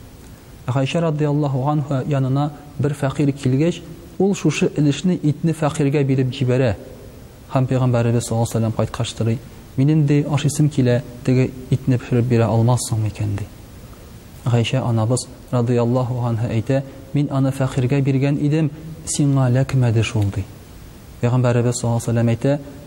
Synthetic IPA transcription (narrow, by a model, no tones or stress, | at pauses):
ʁæjɕæɾɑd̪ijɑlˠːɑɦuʁɑnɦɑjɒnɤ̆nɑ | bɘɾfæqiɾkʰilɡæɕ | ulˠʃuʃɤʔɘ̆lɘ̆ʃnɘʔit̪nɘfæqiɾɡæbiɾɘpʑibæɾæ | hæmpæjʁæmbæɾɘ̆bɘzsːɒlˠːsælːæmqɒjt̪qʰɑʃt̪ɤ̆ɾɤj | minind̪ɘʔɒʃisɤmkilæt̪ɘ̆ɡɘit̪nɘpɵ̥̆ʃɘ̆ɾɘp̚biɾæʔɒlˠmɑsːoɴmikænd̪i | ʁæjɕæʔɒnɑbɤz̥ | ɾɑd̪ijɑlˠːɑɦuanɦɑʔæjt̪æ | minɒnɤfæqiɾɡæbiɾɡænʔid̪ɘmsiɴɑlækmæd̪ɘʃulˠd̪i | pæjʁæmbæɾɘ̆bɘzsolˠːɑsælːæmæjt̪æ